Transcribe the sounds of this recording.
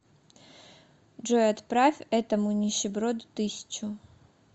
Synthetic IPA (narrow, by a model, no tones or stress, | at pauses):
dʐojɐt̪pɾafʲɛt̪əmʊnʲɪɕɪbɾod̪t̪ɨsʲɪ̥t͡ɕʊ